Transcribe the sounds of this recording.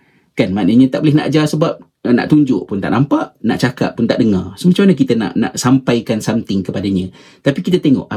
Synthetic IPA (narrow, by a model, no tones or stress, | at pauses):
kanmanəɲãt̪aʔbolɪhna̰ʔd͡ʒasəbap̚ | na̰ʔt̪uɲd͡ʒʊʔpʊnt̪a̰ʔnampaʔna̰ʔt͡ʃaka̰ʔpːʊnt̪aʔdəŋarsəmat͡ʃamanak̬it̪ana̰ʔna̰ʔsampajkansamt̪ɪŋkəpadaɲã | t̪apikit̪at̪eŋɔ̰ʔ